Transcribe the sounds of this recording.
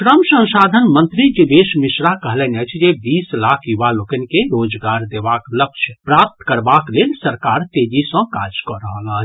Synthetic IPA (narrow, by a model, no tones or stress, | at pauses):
ʃɾəmsə̃nsad̪ʱənmənt̪ɾid͡ʒibesmisɾakəɦlɛnət͡ʃʰd͡ʒebislakʰjubalokənkeɾod͡ʒɡaɾd̪ebaklək̚t͡ʃʰpɾap̚t̪kəɾbaklelsəɾkaɾt̪ed͡ʒisə̃kad͡ʒkɔɾəɦələt͡ʃʰ